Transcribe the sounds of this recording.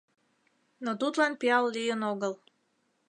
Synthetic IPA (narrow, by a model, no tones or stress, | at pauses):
not̪ut̪lɑnpiɑllijənoɣəlˠ